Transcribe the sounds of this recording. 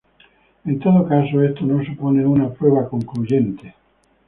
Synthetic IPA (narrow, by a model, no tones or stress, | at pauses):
int̪ot̪okaːsoest̪onons̬ipoːneunapɾɔːvakoŋklud͡ʒɛnt̪e